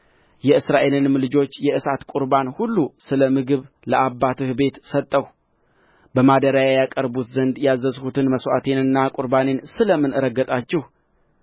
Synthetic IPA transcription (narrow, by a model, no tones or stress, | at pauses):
jɛɨsɾaʔe̞lɨnmlɨd͡ʒo̞t͡ʃːjɛʔɨsat̪kʷʼuɾbanhulːusɨləmɨɡɨβ | ləʔabːat̪ʰɨhbe̞t̪sət̪ʼːəw | bəmad̪əɾajajakʼəɾbut̪zənd̪jazːəzhut̪ʰɨnməswa̰t̪ʰe̞nɨnːakʼuɾbane̞nsɨləmɨnɨɾəɡːət̪ʼat͡ʃːɪh